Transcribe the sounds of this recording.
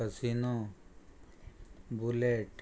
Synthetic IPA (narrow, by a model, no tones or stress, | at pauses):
əsinõ | buleʈ